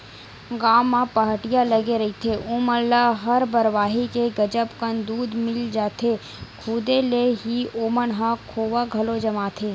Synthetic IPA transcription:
ɡaːmːãpɐɦəʈijalɐɡeɾɐɦit̪ʰeʔuːmənlaɦɐɾbəɾʋaːɦikeɡɐd͡ʒəpkə̃nd̪uːd̪mɪld͡ʒaːt̪ʰe | kʰuːd̪eleɦioːmənɦãkʰoːʋaɡʱɐlod͡ʒɐmaːt̪ʰeː

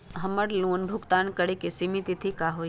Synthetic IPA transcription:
ɦɐməɽluːnbʱʊkt̪aːnkəɽekesimit̪it̪ʰikaːɦoː

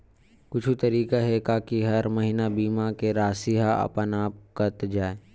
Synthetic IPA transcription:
kʊt͡ʃʰut̪ɐɾiːkaɦɛkaːkiɦɐɾmɐɦinabiːmakeɾaːsiɦaɐ̰pənaːp̚kɐt̪d͡ʒaːeː

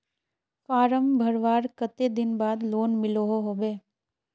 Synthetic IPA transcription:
faːɾəmbʱəɾʋaːɾkət̪ed̪ɪnbaːd̪loːnmɪloɦoɦoːbeː

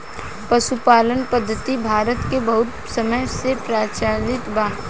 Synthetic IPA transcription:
pɐʃupaːlənpəd̪ʱːət̪ibʱaːɾət̪kebɐɦʊt̪ | səməjsepɾaːt͡ʃaːlɪt̪baː

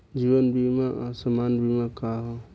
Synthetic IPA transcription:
d͡ʒiːwənbimaʔasəmaːnbʱimakaːɦo

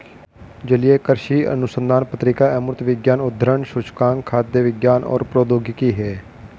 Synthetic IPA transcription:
d͡ʒəlɪeːkəɾʃiːə̰nʊsənd̪aːnpət̪ɾɪkaːɛmɾʊt̪ʋɪɡjaːnʊd̪ʱɾəɳʃʊt͡ʃkaːŋkʰaːt̪̚ːeːʋɪɡjaːnɔ̰ːɾpɾoːd̪oːɡɪkiːɦɛː

